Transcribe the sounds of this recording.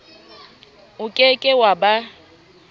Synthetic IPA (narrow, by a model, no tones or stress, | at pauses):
ʊkʼekʼɪwaba